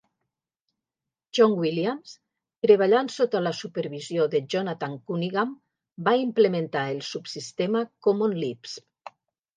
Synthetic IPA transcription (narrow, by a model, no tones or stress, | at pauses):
ʒɔŋwiljams | t̪ɾeβaʎansot̪alasupeɾβizjoðeʒonat̪aŋkuniɣam | baimplement̪aelˠsupsist̪eməkomonlips